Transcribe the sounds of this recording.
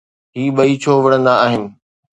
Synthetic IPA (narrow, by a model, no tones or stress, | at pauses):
ɦiːɓɐit͡ɕʰoːʋɐɽ̃ə̃nd̪aːɦɪnɪ̆